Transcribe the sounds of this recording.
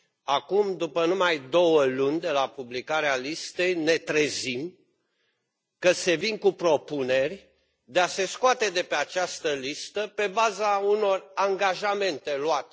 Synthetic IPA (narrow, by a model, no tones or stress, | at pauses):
akumd̪upənumajd̪o̞wəlunʲd̪e̞lapublikaɾealist̪e̞jne̞t̪ɾe̞zim | kəse̞vinkupɾo̞pune̞rʲ | d̪e̞ase̞skoat̪e̞d̪e̞pe̞at͡ʃast̪əlist̪əpe̞bazauno̞raŋɡaʒame̞nt̪e̞luat̪e̥